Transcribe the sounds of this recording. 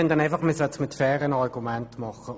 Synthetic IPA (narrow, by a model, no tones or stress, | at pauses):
ɛnd̥̪ɛnaɪfɑχmɪsœt̪smɪtfɛːɾənɑrɡ̥umɛntmɑχə